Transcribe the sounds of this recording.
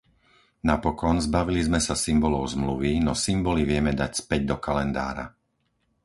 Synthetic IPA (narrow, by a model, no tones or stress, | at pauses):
napɔkɔnzbaʋilizmɛsasimbɔlɔʊzmluʋinɔsimbɔliʋɪɛmɛd̪acspɛɟ̚d̪ɔkalɛnd̪a̰ːɾa̰